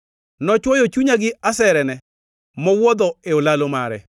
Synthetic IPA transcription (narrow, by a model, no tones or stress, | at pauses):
nɔt͡ʃwɔjɔt͡ʃuɲaɡɪasɛɾɛnɛ | mɔwɔd̪ɔeolalomaɾɛ̰